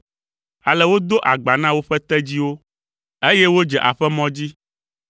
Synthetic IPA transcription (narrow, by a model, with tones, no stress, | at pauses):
a˨lɛ˨wo˦d̪o˦ʔa˨ɡ͡ba˨nã˦wo˦ɸɛ˦t̪ɛ˦d͡ʑi˦wo˦ | e˦jɛ˦wo˦d͡ʒɛ˨ʔa̰˨ɸɛ˦mɔ̃˦d͡ʑi˦